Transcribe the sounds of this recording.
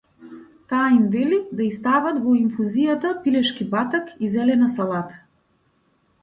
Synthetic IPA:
t̪aːimvɛlid̪aist̪avat̪vɔinfuzijat̪apilɛʃkibat̪akizɛlɛnasalˠat̪ḁ

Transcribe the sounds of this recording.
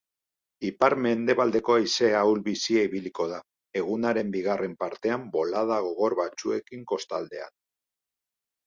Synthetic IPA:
ipaɾme̞nd̪e̞βald̪e̞ko̞ajse̞awlβisiaiβiliko̞ð̞a | e̞ɣ̞unaɾe̞mbiɣare̞mpaɾt̪e̞ambo̞laðaɣ̞o̞ɣ̞o̞ɾβat͡sue̞kiŋko̞st̪a̰ld̪e̞̰a̰n

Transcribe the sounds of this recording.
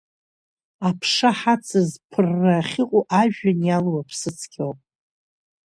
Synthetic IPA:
apʰʂaħat͡sʰɨzpʰɨrːaχʲɪqʷʼoʔaʒᶣanjalwapʰsɨt͡sʰkʲʰowpʼ

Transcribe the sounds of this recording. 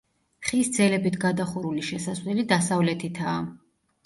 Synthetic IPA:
χisd̪zɛlɛbit̪ʰɡad̪aχuɾuliʃɛsasvlɛlid̪asavlɛt̪ʰit̪ʰaː

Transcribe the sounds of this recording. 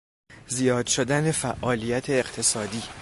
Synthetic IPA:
zijɒːd̪̥ʃod̪æne̞fæʔːɒːlijæt̪ʰe̞ːqt̪ʰe̞sɒːd̪iː

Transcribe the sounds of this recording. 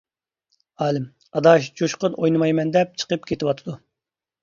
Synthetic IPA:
ɑːlɨm | ɑd̪ɑʃd͡ʒoʃqənʔojnɨmɑjmɛnd̪ɛp̚t͡ʃʰə̥qəpkʲʰet̪ɪwɑt̪ʰɨd̪u

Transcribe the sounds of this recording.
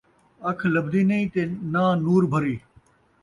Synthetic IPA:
ɐkʰləbd̪iːnɐĩːt̪eːnãːnuːɾbʱəɾiː

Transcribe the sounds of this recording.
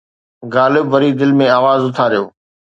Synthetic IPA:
ɡaːlɪbʋɐɾid̪ɪlmẽaːʋaːzʊt̪ʰaɾijoː

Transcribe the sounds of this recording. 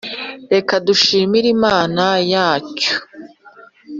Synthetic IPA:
ɾe̞kaduʃiːmiɾimaːnajaːco̥

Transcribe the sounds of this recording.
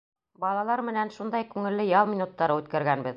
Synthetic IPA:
bɑlˠɑlˠɑɾmɘ̆nænʃund̪ɑjkʉŋɘ̆lːɘjɑlˠminut̪ːɑɾɤʉt̪kæɾɡænbɘð

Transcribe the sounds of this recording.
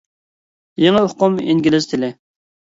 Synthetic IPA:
jeŋəoqʊmiŋɡʲilɪz̥t̪ʰɪlɪ

